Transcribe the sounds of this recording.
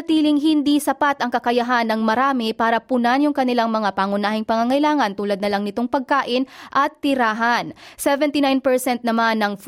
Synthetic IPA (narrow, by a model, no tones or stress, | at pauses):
ɐt̪iːlɪŋɦɪnd̪isɐpat̪ɐŋkɐkɐjɐɦanɐŋmɐɾaːmɪpaːɾɐpʊnanjʊŋkɐnɪlaŋmɐŋapaːŋʊnaːhɪŋpɐŋaŋɐjlaːŋɐnt̪uːlɐd̪̚nɐlaŋnɪt̪oŋpɐɡ̚kaːʔɪnʔɐt̪ːɪɾaːɦɐnsɛvɛnt̪inajnpɛɹsɛnt̪̚nɐmanːɐŋf